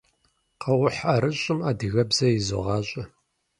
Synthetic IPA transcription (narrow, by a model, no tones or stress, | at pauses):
qɐwʊħaɾɨɕʼɪmaːdɨɣɐbzɐjɪzo̰ʁɑːɕʼɐ